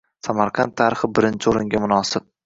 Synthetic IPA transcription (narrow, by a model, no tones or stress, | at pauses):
samaɾqʰɑnt̪ʰːaɾɪχɪbɪɾɪnt͡ʃʰɪoɾɪŋɡʲamʊnɒsɪp̚